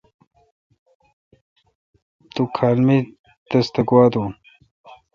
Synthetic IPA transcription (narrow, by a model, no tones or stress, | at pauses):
t̪ukʰaːlmi | d̪ɐst̪ɐɡwaːd̪un